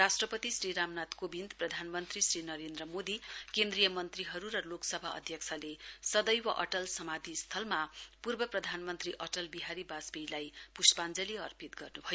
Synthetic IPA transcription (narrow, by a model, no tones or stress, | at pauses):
rasʈrʌpʌt̪isriɾamnat̪kobind̪prʌd̪ʱanmʌnt̪risrinʌɾend̪rʌmod̪ikend̪rijʌmʌnt̪riɦʌɾuɾʌloksʌbʱaʌ̰d̪ʱjʌkt͡sʰalesʌd̪ʌjwaʔʌ̰ʈʌlsʌmad̪ʱist̪ʰʌlmapurbʌprʌd̪ʱanmʌnt̪riʔʌʈʌlbiɦaɾibasbijlajpuspand͡zʌliʌrpit̪ɡʌrnubʱʌjo